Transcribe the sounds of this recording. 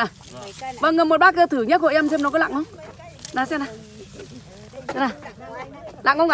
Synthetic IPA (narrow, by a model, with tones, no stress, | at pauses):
a˨˩ | və˧˨˩ŋə˨˩mo˨˩ɓaː˦˥k̬ə˧t̪ʰɨ˧˩ɲə˦˥t̚ho̰˧˨ʔɛ˧mse˧mnɔ˨˦kɔ˨˦la̰ː˧˨ŋhə˧˦ŋ͡m | naː˨˩sɛ˧na˨˩ | sɛ˧˩naː˨˩ | la̰ː˧˨ŋo˧˦ŋa˧